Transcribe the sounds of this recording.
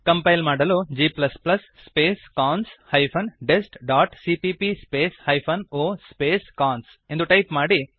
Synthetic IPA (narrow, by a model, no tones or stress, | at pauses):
kɐmpɐjlmaːɽɐluːd͡ʒiːplɐsplɐsːpeːskaːnshɐjpʰɐnɖesʈɖaːʈsiːpiːpispeːshɐjpʰɐnoːspeːskaːns | end̪uʈɐjpmaːɽi